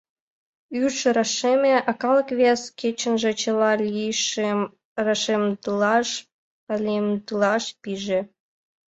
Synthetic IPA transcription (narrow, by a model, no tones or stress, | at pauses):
yrʃɾɑʃemʲeʔɑkɑlɤ̆kβʲeskʲet͡ɕə̆nʒĕt͡ɕɤlɑlʲiʃ | rɑʃemd̪ɑʃ | ɑlʲemd̪ɯlɑʃpiʒĕ